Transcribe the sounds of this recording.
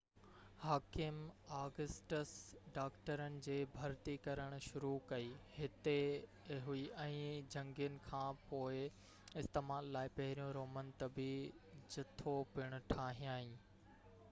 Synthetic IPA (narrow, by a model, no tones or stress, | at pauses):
haːkɪmaːɡəsʈəsɖaːkʈəɾənɪ̆d͡ʑeːbʱɐɾt̪ikɐɾəɽ̃ʊ̆ʃʊɾukɐiːhɪt̪e | ɦuiʔɛ̃ːd͡ʑɐ̃ŋɡijənɪ̆kʰãːpoːɪ | ɪst̪eːmaːlːaːɪpɐɦɪɾijõɾoːmənt̪ɐbɪd͡ʑɪt̪ʰopɪɽ̃ʊ̆ʈʰaːɦĩjãːɦĩː